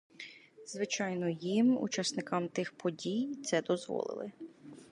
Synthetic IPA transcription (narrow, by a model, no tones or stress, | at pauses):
z̥ʋɪt͡ʃɑjnɔjimṵt͡ʃɑsnɪkɑmt̪ɪxpɔdʲijt̪sɛd̪ɔzʋɔ̰lˠɪ̰lˠɪ